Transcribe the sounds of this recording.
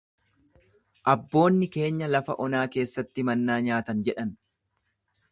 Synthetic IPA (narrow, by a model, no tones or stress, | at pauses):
ʔɐbːo̞ːnːɪke̞ːɲːɐlɐfɐ̰ʔɔnaːke̞ːsːɐt̪ːɪmɐnːaːɲaːt̪ɐnd͡ʒɛᶑɐn